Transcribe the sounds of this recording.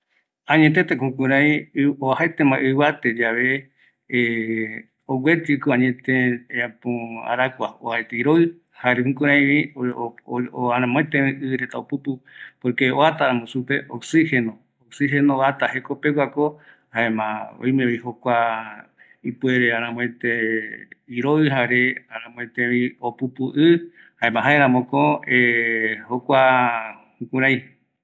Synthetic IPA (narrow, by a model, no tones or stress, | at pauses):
ãɲẽt̪et̪ekũkũɾaj̃oahaet̪emãʔɨβat̪ed͡ʒaβe | owet̪ikoaɲẽt̪eapoa̰ɾakʷao̰aet̪eiɾoi | haɾehũkũɾãj̃βi | oaɾãmõet̪ẽẽʔɨɾet̪aoput̪upoɾkeoat̪aɾamõsupeʔoksihenõ | oksiɦe̞noβat̪ahekopewʷako | haemã̰o̰j̃meoihokʷa | ipueɾeaɾ̃ãmõẽt̪e | iɾoɨɦaɾeaɾãmõẽt̪ẽʋĩopupuʔɨ | haẽmãɦaeɾãmõkõehokʷahũkũɾaj